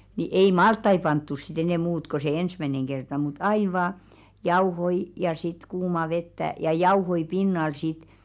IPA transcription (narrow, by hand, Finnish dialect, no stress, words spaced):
ni ei mɑltːɑi pɑntːus̆ si̥t enɛˑ muːt ko se ensmæneŋ kertɑ mut ɑin̞ ʋɑː jɑuhoi jɑ sit kuːmɑ ʋetːæ jɑ jɑuhoi pinːɑl sit